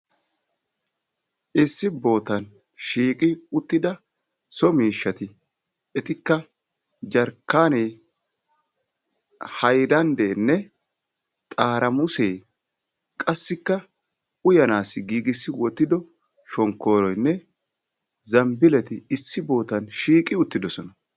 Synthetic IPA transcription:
ʔɪsːɪbo̞ːt̪ɐn | ʃiːkʼɪʊt̪ːɪd̪ɐ | sɔmiːʃːɐt̪ɪ | ɛt̪ɪkːɐ | d͡ʒɐɾkːaːneː | hɐjd̪ɐnd̪eːnːɛ | t̪ʼaːɾɐmʊseː | kʼɐsːɪkːɐ | ʊjɐnaːsːɪɡiːɡɪsːɪwɔt̪ːɪd̪ɔ | ʃɔŋkːo̞ːɾɔjnːɛ | zɐmbɪlɛt̪ɪɪsːɪbo̞ːt̪ɐnʃiːkʼɪʊt̪ːɪd̪ɔsɔnɐ

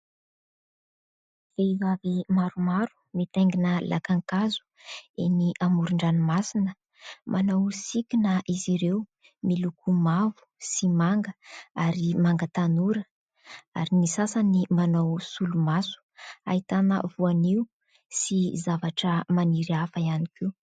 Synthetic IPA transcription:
veivavimaɾumaɾu̥mit̪eŋɡinəlʔa̰kaŋkazu̥ | eniʔamuɾuɳɖ͡ʐanumasinə | mʔanawsikʲinəʔiziɾew | milukumavu̥simaŋɡəaɾimaŋɡət̪anuɾə | aɾinisasanimanawsulumasu̥a̰it̪anə̰vuaniw | sizavaʈ͡ʂəmaniɾiafaianikiw

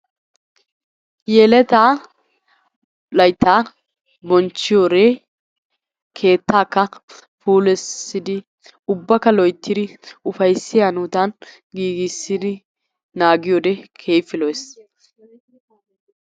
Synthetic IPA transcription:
jɛlɛt̪aː | lɐjt̪ːaː | bɔnt͡ʃːɪjoɾɛ | kʰe̞ːt̪ːaːkːɐfuːlɛsːɪd̪ɪ | ʊbːɐkɐlɔjt̪ːɪd̪ɪʊfɐjsːɪjaːnuːt̪ɐn | ɡiːɡɪsːɪd̪ɪ | naːɡɪjoːd̪ɛkʰe̞ːfɪlɔjs

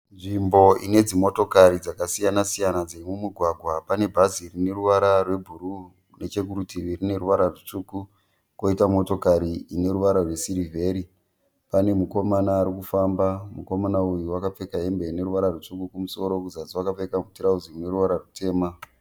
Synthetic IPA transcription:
nʐimbo̞ine̞d͡zimo̞to̞kaɾid͡zakasijanasijanad͡zemumuɡʱwaɡʱwapane̞bʱazirine̞ruʋaɾarwe̞bʱuɾu | ne̞t͡ʃe̞kuɾutiʋirine̞ɾuʋaɾarut͡ʂuku | ko̞itamo̞to̞kaɾiine̞ɾuʋaɾarwe̞siɾivʱe̞ɾi | pane̞muko̞manaːɾikufambamuko̞manaujuwakap͡fe̞kaɦe̞mbe̞ine̞ɾuʋaɾarwut͡ʂukukumuso̞ɾo̞kuzad͡ziwakafe̞kamutiɾauzimune̞ɾuʋaɾarute̞ːma

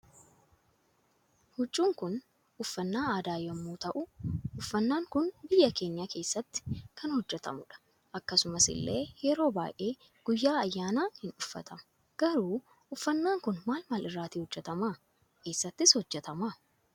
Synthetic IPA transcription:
hʊt͡ʃʼːuːŋkʊn | ʊfːɐnːaːaːd̪aːjɔmːuːt̪ɐʔʊʊfːɐnːaːŋkʊnbɪjːɐke̞ːɲːake̞ːsːɐt̪ːɪ̥kʰɐnhɔd͡ʒːɛt̪ɐ̰mʊᶑɐ̥ | ʔɐkːɐsʊmɐsɪ̰lːḛːjɛɾo̞ːba̰ːjʔe̞ː | ɡ̥ʊjːaːɐjːaːnaːhɪnᶑʊfːɐ̰t̪ɐmɐ̥ | ɡ̥ɐɾuː | ʊfːɐnːaːŋkʊnmaːlmɐlɪrːaːt̪iːhɔd͡ʒːɛt̪ɐma | kʰe̞ːsːɐt̪ːɪshɔd͡ʒːɛt̪ɐma

